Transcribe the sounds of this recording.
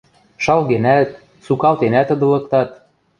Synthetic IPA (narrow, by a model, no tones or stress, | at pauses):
ʃɑlɣenæt̪̚ | sukɑlt̪enæt̪ɤ̆d̪ɤ̆lɤ̆kt̪ɑt̪̚